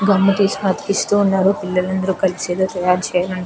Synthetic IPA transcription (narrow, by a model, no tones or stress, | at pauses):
ɡɐmːɐʈiːsmɐt̪i̥pist̪uːnːaːɾuːpilːɐlɐnd̪ɐɾukɐliseːd̪oːt̪ɐjaːɾt͡ʃɛːjalɐɳ